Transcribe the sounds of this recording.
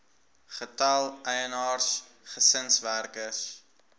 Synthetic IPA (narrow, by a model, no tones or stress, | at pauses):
χətɐlˠəjənɑːrs | χəsənsværkəs